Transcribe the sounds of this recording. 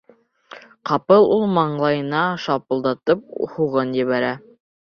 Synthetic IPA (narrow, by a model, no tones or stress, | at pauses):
qɑpɤlˠulˠmɑɴlˠɑjɤ̆nɑʃɑpɤ̆lˠd̪ɑt̪ɤp̚huʁɤnjɘ̆βæɾæ